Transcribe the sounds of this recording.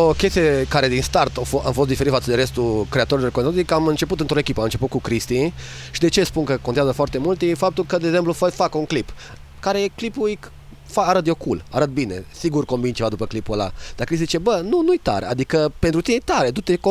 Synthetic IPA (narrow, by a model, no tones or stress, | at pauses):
okʲe̞st̪ijekaɾe̞d̪inst̪art̪ofoa̰mfost̪d̪ifeɾit̪fat̪səd̪eɾe̞st̪ukɾe̞at̪o̞ɾilorkonozikamɨnt͡ʃe̞put̪ɨnt̪ɾo̞ekʲipəamɨnt͡ʃe̞put̪kukɾist̪i | ʃid̪e̞t͡ʃespunkəkont̪eazəfoart̪e̞mult̪ifap̚t̪ulkəd̪eːɡze̞mplufofakuŋklip | kaɾeklipuj | faaɾət̪d̪jo̞kulaɾət̪̚bine̞̰siɡurko̞mbint͡ʃevad̪upəklipuəla̰d̪̥akɾist̪izit͡ʃe̞bənunujt̪a̰ɾa̰d̪ikəpe̞nt̪ɾut̪inejt̪aɾe̞t̪ut̪eko